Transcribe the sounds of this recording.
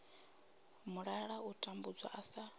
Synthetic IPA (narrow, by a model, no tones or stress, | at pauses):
muɺaɺautʼambud͡zwa̰ʔasa